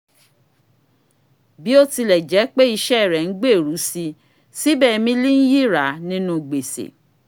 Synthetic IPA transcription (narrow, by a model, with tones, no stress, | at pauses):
bi˨˦o˦ti˧lɛ˨d͡ʒɛ˨˦k͡pe˦i˧ʃɛ˦˨ɾɛ˨n̩˨˦ɡ͡be˦˨ɾu˨˦si˧ | si˦bɛ˦˨˧mĩ˧˦li˦n̩˦ji˦˨ɾa˨˦nĩ˦nũ˧ɡ͡be˨sḛ˨